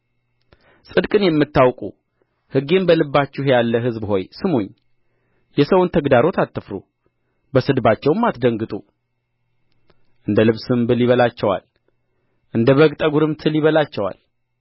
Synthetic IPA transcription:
sʼɨd̪kʼɨnjɛmːɨt̪ːawkʼṵ | hɨɡe̞mbəlɨbːat͡ʃːuhjalːəɦɨzbho̞jsɨmuɲː | jɛsəwnt̪ʰəɡd̪aɾo̞t̪at̪ːɨfɾṵ | bəsɨd̪bat͡ʃːɛwmːat̪d̪əŋɡɨt̪ʼu | ʔɨnd̪əlɨβsɨmbɨljɪβəlat͡ʃːɛwa̰l | ʔɨnd̪əβəɡt̪ʼəɡuɾɨmt̪ʰɨljiβəlat͡ʃːɛwa̰l

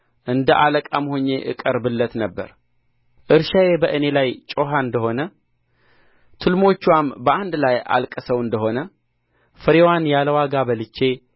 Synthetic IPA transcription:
ʔɨnd̪əʔaləkʼamhoɲːe̞ʔɨ̰kʼəɾbɨlːət̪nəbːə̰ɾ | ʔɨɾʃajebəʔɨne̞lajt͡ʃʼo̞ɦaɨnd̪əho̞nə | t̪ʰɨlmo̞t͡ʃːwambəʔand̪laja̰lkʼəsəwɨnd̪əɦo̞nə | fɨɾewanjaləwaɡabəlɨt͡ʃːe̞

